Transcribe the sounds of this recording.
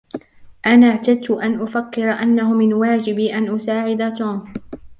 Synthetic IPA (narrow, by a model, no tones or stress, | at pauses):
ʔanaːʕt̪ad̪̚t̪ʊʔanʔʊfakːɪɾˤaʔanːahʊmɪnwaːd͡ʒɪbʔanʔʊsaːʕɪd̪at̪uːm